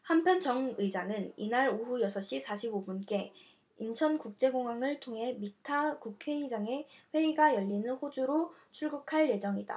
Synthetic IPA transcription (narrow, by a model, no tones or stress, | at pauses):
hampʰjʌnt͡ɕʌŋɯid͡ʑaŋɯninaɾoɸujʌsʰʌɕ͈isʰaɕʰibobunk͈e̞ | int͡ɕʰʌnkuk̚t͡ɕ͈e̞ɡoŋɦwaŋɯɭtʰoŋɦe̞mitʰakukʰe̞id͡ʑaŋe̞ɸwe̞iɡajʌʎːinɯnɸod͡ʑuɾot͡ɕʰuɭɡukʰaɭje̞d͡ʑʌŋida̰